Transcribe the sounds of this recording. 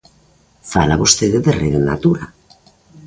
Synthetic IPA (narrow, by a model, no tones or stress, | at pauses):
fa̰laβost̪eðeðereðena̰t̪uɾa